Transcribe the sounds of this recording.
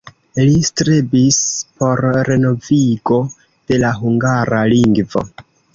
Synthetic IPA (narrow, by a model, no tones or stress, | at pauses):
listɾebispo̞ɾɾe̞no̞viɡo̞ | d̥e̞laɦuŋɡaɾaliŋɡvo̞̰